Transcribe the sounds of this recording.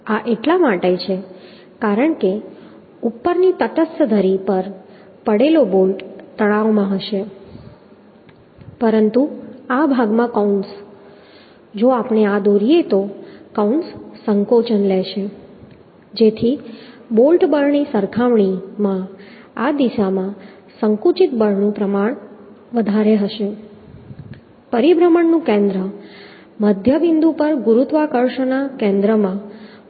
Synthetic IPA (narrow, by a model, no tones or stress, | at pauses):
aʔeʈlamaʈet͡ʃʰe | kaɾəɳke | upːəɾnit̪ət̪əsəd̪ʱəɾipəɾ | pəɽelobolʈt̪əɽ̃aʋmãɦəʃe | pəɾənt̪uabʱaɡmãkauns | d͡ʒoapɳ̃ead̪oɾiet̪okaunsːəŋkot͡ʃənlɛʃe | d͡ʒet̪ʰibolʈbəɾɳisəɾkʰaʋɳimã | ad̪iʃamã | səŋkut͡ʃit̪bəɾnũpɾəmaɳ̃ | ʋəd̪ʱaɾeɦəʃe | pəɾibɾəməɳnũkɛ̃nd̪ɾə | məd̪ʱjəbind̪ũpəɾɡuɾut̪ʋakəɾʃənakɛ̃nd̪ɾəmã